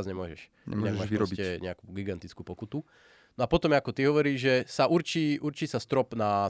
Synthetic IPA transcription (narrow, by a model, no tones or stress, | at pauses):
zɲɛmʊɔʒɛʃ | ɛ̰maɡɛmaːʃiɾɔsbiɛɲɛakuːɡiɡant̪it͡skuːpɔkut̪u | nɔapɔt̪ɔmɛakɔt̪iɦɔʋɔɾiːʒʒɛsaʔuɾt͡ʃiːʔuɾt͡ʃiːsast̪ɾɔpna